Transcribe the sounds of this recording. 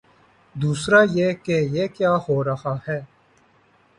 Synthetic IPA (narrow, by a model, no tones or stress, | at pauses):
d̪uːsɾaːjekejeːkjaːhoːɾɐhaːhɛː